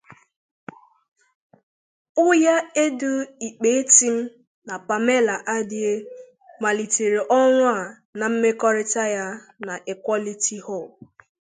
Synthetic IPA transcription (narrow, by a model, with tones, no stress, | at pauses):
ʊ˦ja˦e˦dʊ˦i˨k͡pe˨˦e˦ti˦m̩˦ | na˨pa˨me˦la˨ʔa˦dɪ˦e˦ | ma˨li˨te˨ɾe˨ʔɔ˦ŋʷʊ˦a˦˨ | na˨m̩˦me˦kɔ˦ɾɪ˦ta˦ja˦ | na˨ʔe˨kʷɔ˦li˦ti˦ho˦˨l